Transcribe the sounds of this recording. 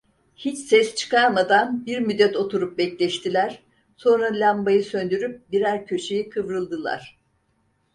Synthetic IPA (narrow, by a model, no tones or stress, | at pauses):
hit͡ʃsɛst͡ʃʰɯ̥kʰaɾmad̪anbiɾmyd̪ːɛt̪ʰo̞t̪ʰuɾup̚bɛclʲɛʃt̪ʰilʲæɾ̥ | so̞nɾalʲambajɯsø̞nd̪yɾyp̚biɾæɾcʰø̞t͡ʃejikʰɯvɾɯlˠd̪ɯlˠa̰ɾ̥